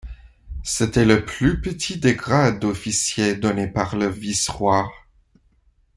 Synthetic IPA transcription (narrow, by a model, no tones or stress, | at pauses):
set̪ɛləplypət̪ʰid̪eɡʁad̪ofisjed̪ɔnepaʁləvisʁwaʁ